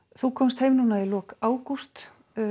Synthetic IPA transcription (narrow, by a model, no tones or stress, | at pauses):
θukʰɔmst̪hejmnuːnaɛlɔːkaːwkur̥t̪